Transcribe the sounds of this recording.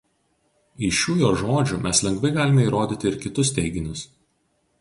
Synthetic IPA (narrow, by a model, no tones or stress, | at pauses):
ɪʃʲuːjoːʒoːd͡ʒʲʊmʲɛslʲɛŋɡʋɐɪɡɑːlʲɪmʲɛiːɾoːd̪ʲiːt̪ʲɪɪɾkʲɪt̪ʊst̪ʲɛɪɡʲɪnʲʊs